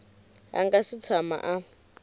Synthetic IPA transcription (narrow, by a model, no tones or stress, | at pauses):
a̰ŋɡasit͡sʰama̰ʔa